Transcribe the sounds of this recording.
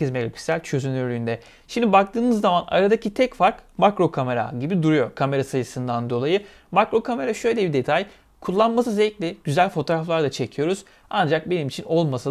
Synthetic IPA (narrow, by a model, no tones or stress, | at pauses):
izmeɡapʰy̥sælʲt͡ʃʰø̞zynylyːnd̪ɛ | ʃimd̪ibak̚t̪ʰɯːnɯzːamana̰ɾad̪acʰit̪ʰɛcfaɾkmakɾo̞kʰame̞ɾa̰ɟibid̪uɾujo̞ɾkʰame̞ɾasajɯsɯnd̪and̪o̞lˠajɯ | makɾo̞kʰame̞ɾaʃø̞jlʲɛbid̪e̞t̪ʰaj | kʰulˠːanmas̬ɯzɛclʲiɟ̥yzælʲfo̞t̪ʰo̞ɾaflˠaɾd̪at͡ʃʰe̞cʰijo̞ɾuz̥ | and͡ʒak̚be̞nimit͡ʃʰino̞lˠmasa